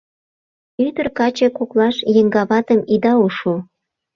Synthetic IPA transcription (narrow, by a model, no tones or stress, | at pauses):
yd̪ərkɑt͡ɕekuklɑʃjə̆ŋɡɑβɑt̪əmid̪ɑuʃu